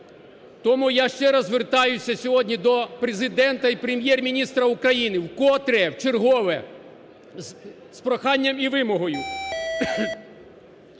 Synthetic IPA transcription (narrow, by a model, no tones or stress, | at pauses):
t̪ɔmujaʃt͡ʃɛɾɐzʋert̪ɑjʊsʲɐsʲɔɦɔdʲnʲid̪ɔpɾezɪd̪ɛnt̪ɐipɾemʲjɛrmʲinʲist̪ɾɐukɾɐjinɪwkɔt̪ɾɛwt͡ʃerɦɔʋɛ | spɾɔxɑnʲːɐmiʋɪmɔɦɔjʊ